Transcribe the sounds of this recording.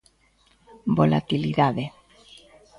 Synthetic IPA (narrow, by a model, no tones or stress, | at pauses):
bola̰t̪iliðaðe